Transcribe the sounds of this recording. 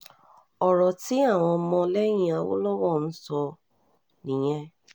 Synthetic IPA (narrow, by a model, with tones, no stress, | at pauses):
ɔ˨ɾɔ˨tɪ˦a˦˨ŋɔ˨˦mɔ˦le˦ɲi˨a˨wʊ̰˦lɔ˦wɔ˦˨n̩˦sɔ˦ | ni˨ɲe˦